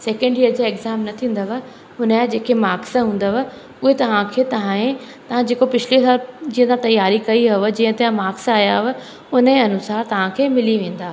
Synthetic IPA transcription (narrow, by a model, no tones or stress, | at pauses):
seːkə̃ɳɖjiəɾd͡ʑaeɡzaːmnɐt̪ʰĩːn̆d̪əʋə | ʊnəjad͡ʑeːkʰemaːksɦũːn̆d̪ʋ | ʊɦet̪ɐʋ̤ãkʰeːt̪ɐʋ̤ãẽt̪ɐʋ̤ãd͡ʑeːkopɪt͡ɕʰlisaːld͡ʑĩːə̃t̪ʰãt̪ɐjaːɾikɐiɦɐʋəd͡ʑĩːə̃t̪eãmaːksaːjaʋə | ʊnəeɐnʊsaːɾt̪ɐʋ̤ãkʰeːmɪliʋẽːn̆d̪aː